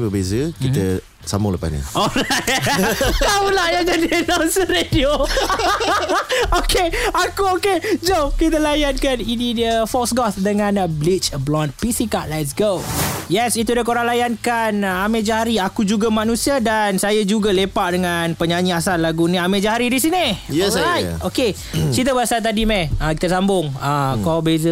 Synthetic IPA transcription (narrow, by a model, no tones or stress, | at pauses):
bəbezəkit̪ə | sa̰muləpa̰snɲə̰̃oɾa | t̪aulahjaŋd͡ʒadinansəɾedio | okeakuoked͡ʒokit̪əlajankaninidəfɔksɡɔtdəŋãnblit͡ʃblɔnpisikaʔlɛtsɡojɛsit̪udakoɾaŋlajankanamẽd͡ʒaɦaɾiakud͡ʒuɡamanũsiadansajad͡ʒuɡalepaʔdəŋanpəɲaɲĩasanlaɡunĩamẽd͡ʒaɦaɾidisinijsajoke | t͡ʃit̪̬əbəasat̪̬adimɛakit̪asambʊŋakɔbezə